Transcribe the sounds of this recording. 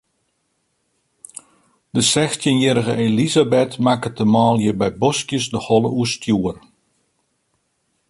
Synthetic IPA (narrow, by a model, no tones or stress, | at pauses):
d̥əsɛxtinjɛɾəɣə̰ʔelizabɛtmakətəmaːlˠjəbɛjbɔskjəsdəhɔlˠə̰uəstjuər